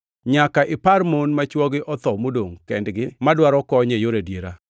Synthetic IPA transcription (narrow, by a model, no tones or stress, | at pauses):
ɲakaʔɪpaɾmonmat͡ʃwɔɡɪʔɔt̪ɔmodoŋkɛndɡɪmadwaɾɔkɔɲejoɾedjeɾa